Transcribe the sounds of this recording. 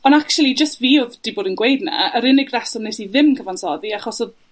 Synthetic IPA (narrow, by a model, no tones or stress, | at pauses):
ɔnakt͡ʃulˠid͡ʒəstviːʊðd̥iboːdənɡwejdna̰əɾɪnɪɡrɛsɔnesiðɪmkʰəvansɔðiaχɔsɔd